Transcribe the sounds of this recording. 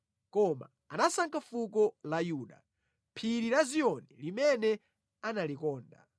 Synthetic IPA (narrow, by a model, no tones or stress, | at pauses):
kɔma̰ | anasaŋkʰafukɔlajuːɗa̰ | pʰiɾiɾazijɔnɛlimɛnɛ | analikɔːnda̰